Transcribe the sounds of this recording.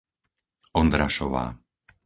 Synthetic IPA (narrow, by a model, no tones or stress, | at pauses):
ɔnd̪ɾaʃɔʋa̰ː